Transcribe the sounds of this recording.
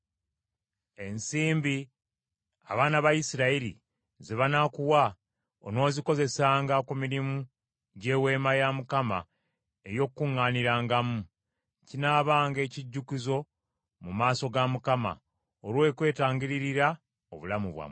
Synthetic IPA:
e̞nsiːmbi | a̰βaːnaβajisiɾaiɾḭ | ziβanakuwa | o̰no̞ːziko̞ze̞saːŋɡakumiɾimu | ɟe̞ːwe̞ːmajamukama̰ | ejo̞kkːuŋːaːniɾaːŋɡamu | cinaːβaːŋɡe̞ːciɟːukizo̞ | mumaːso̞ɡamukama̰ | oɾwe̞ːkwe̞ːtaːɲɟiɾiɾiɾa | o̞̰βulamuβwa̰m

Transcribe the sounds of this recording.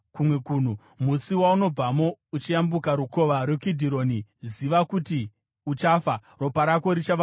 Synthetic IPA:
kumwe̞kuːn̤u | musiwauno̞b͡vamo̞ut͡ʃiambukaɾuko̞ʋaɾwekidʱiɾo̞ːniziʋakuti | ut͡ʃafa | ro̞paɾako̞ɾit͡ʃaʋa

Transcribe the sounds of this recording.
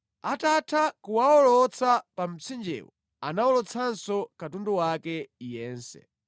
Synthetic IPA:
atatʰakuwaɔlɔt͡sʰapam̩t͡sʰind͡ʒɛ̰wɔ̰ | anaɔlɔt͡sʰansɔkatunduwakɛjɛːnsɛ̰

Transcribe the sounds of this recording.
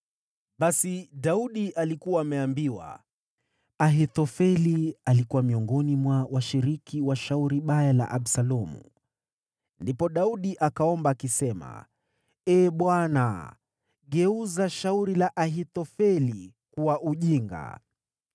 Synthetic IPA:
ɓasiɗauɗiʔalikuwaːmɛambiwa̰ | aɦit̪ɔfɛlialikuwamiɔŋɡɔnimwawʔaʃiɾikʰiwaʃauɾiɓajala̰ʔaɓsalɔmṵ | ndipɔɗauɗiʔakaɔmbaːkisɛma̰ | ɛːɓwana̰ | ɡɛuzaʃauɾilaʔaɦit̪ɔfɛli | kuwaʔuʄiŋɡa̰

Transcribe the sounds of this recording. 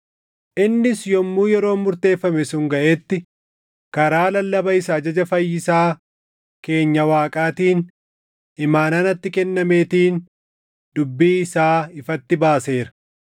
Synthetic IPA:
ʔɪnːɪsjɔmːuːjɛɾo̞ːmːʊɾt̪e̞ːfːɐmɛsʊŋɡɐʔeːt̪ːɪ | kɐɾaːlɐlːɐbɐɪsaːd͡ʒɐd͡ʒɐfɐjːɪsaː | ke̞ːɲːɐwaːkʼaːt̪iːn | ɪmaːnaːnɐt̪ːɪkɛnːɐme̞ːt̪iːn | d̪ʊbːiːɪsaːɪfɐt̪ːɪbaːse̞ːɾɐ̥

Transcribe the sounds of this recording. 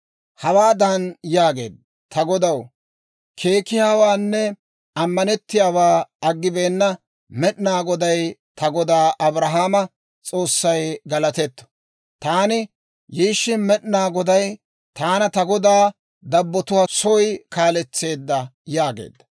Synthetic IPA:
hɐwaːd̪anjaːɡe̞̰ːd̪̚ɐ | t̪ɐɡɔd̪ɐw | kʰe̞ːkɪjaːwaːnːɛ | ɐmːɐnɛt̪ːɪjaːwaːɐɡːɪbe̞ːnːɐ | mɛɗnaːɡɔd̪ɐjt̪ɐɡɔd̪aːʔɐbɾɐɦaːmɐ | t͡sʼo̞ːsːɐjɡɐlɐt̪ɛt̪ːɔ̥ | t̪aːnɪ | jiːʃːɪmɛɗnaːɡɔd̪ɐj | t̪aːnɐt̪ɐɡɔd̪aː | d̪ɐbːɔt̪ʊwɐsɔjkaːlɛt͡sːe̞ːd̪ːɐjaːɡḛːd̪ːɐ

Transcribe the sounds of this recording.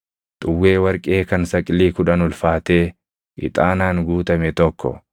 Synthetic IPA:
t̪ʼʊwːe̞ːwɐɾkʼe̞ːkɐnsɐkʼɪliːkʊᶑɐnʊlfaːt̪e̞ː | ʔɪ̰t̪ʼaːnaːŋɡuːt̪ɐmɛt̪ɔkːɔ̰

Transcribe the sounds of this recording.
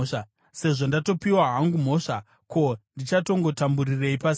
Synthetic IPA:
se̞ʐo̞ndato̞piwaɦaŋɡum̤o̞ʂa | ko̞ndit͡ʃato̞ŋɡo̞tamburire̞ipas

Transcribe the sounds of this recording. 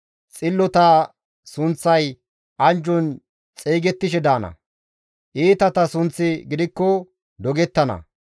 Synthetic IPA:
t͡sʼɪlːɔt̪ɐ | sʊnt͡sːɐj | ʔɐnd͡ʒɔn | t͡sʼeːɡɛt̪ːɪʃɛd̪aːnɐ̰ | ʔiːt̪ɐt̪ɐsʊnt͡sːɪɡɪd̪ɪkːɔ | d̪ɔɡɛt̪ːɐnɐ̰

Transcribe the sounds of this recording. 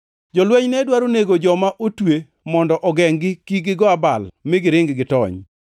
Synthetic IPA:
d͡ʒɔlwɛɲnɛdwaɾoneɡod͡ʒɔmaʔotwe | mɔndɔʔɔɡɛŋɡɪkiɡɪɡɔabalmɪɡɪɾɪŋɡɡɪtɔ̰ɲ

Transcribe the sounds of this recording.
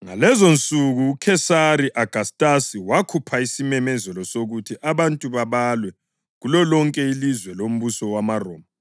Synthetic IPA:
ŋa̰lɛzont͡sʼuɣuːkʰɛsaɾiʔaɡ̥ʱastʼasiwakʰupʰaisimɛmɛzɛlɔsoɣutʰiʔaβantʼuβaβalwɛ | ɣulɔlɔŋkʼɛilizwɛlom̩βusɔwamarɔ̰ːma

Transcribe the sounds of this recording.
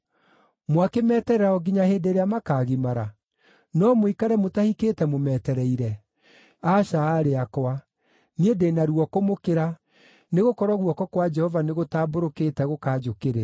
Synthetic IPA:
mwakemɛːtɛɾɛɾaɔɡiɲaheːndeːɾeamakaːɣimaɾa | nɔmoikaɾɛmotahikeːtɛmomɛːtɛɾɛiɾɛ | aʃaːɾeakɔwa | niedenaɾuɔkomokeɾa | neɣokɔɾɔɣuɔkɔkwad͡ʒɛhɔvaneɣotaːboɾokeːtɛɣokaːd͡ʒokeɾe

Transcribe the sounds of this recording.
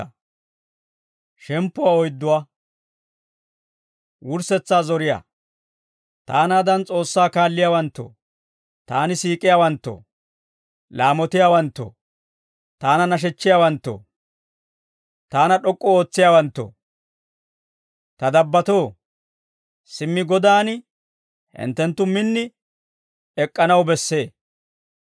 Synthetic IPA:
ʃɛmpːʊwaɔjd̪ːʊwa | wʊɾsɛt͡sːaːzɔɾɪja̰ː | t̪aːnaːd̪ɐnt͡sʼo̞ːsːaːkaːlːɪjaːwɐnt̪ːo̰ | t̪aːnɪsiːkʼɪjawɐnt̪ːo̰ | laːmɔt̪ɪjaːwɐnt̪ːo̰ | t̪aːnɐnɐʃ̬ɛt͡ʃːɪjaːwɐnt̪ːo̰ | t̪aːnɐɗɔkʼːɔoːt͡sːɪjaːwɐnt̪ːo̰ | t̪ɐd̪ɐbːɐt̪o̞ː | sɪmːɪɡɔd̪aːn | hɪ̰nt̪ːɛnt̪ːʊmɪnːɪ | ɛkʼːɐnɐwbɛsːe̞ː

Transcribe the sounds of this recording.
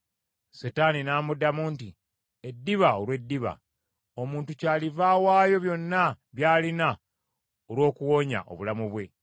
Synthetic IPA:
setaːninaːmudamunti | edːiβaolwe̞dːiβa̰ | o̞muːntucaːlivaːwaːjo̞βjo̞nːa | βjaːlina | olwo̞ːkuwo̞ːɲa̰ʔo̞̰βulamuβwe̞

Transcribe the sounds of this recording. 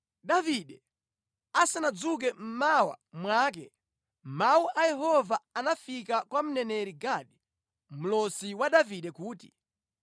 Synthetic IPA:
ɗaviɗɛ | asanad͡zuk̬ɛm̩mawa̰mwaːk̬ɛ̰ | mauʔajɛɦɔvaanafikakwam̩nɛnɛɾiɡaɗi | m̩lɔsiwaɗaviɗɛkuːti

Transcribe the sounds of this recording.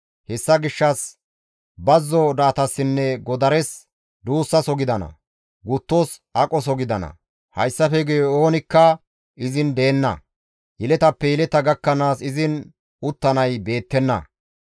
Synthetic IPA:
hɛsːɐɡɪʃːɐs | bɐzːɔd̪aːt̪ɐsːɪnːɛɡɔd̪ɐɾɛs | d̪uːsːɐsɔɡɪd̪ɐnɐ̰ | ɡʊt̪ːosɐkʼɔs̬ɔɡɪd̪ɐnɐ̰ | hɐjsːɐfɛɡɛjɔoːnɪkːɐ | ɪzɪnd̪eːnːɐ̰ | jɛlɛt̪ɐpːɛjɛlɛt̪ɐɡɐkːɐnaːsɪzɪn | ʊt̪ːɐnɐjbe̞ːt̪ːɛnːɐ̰

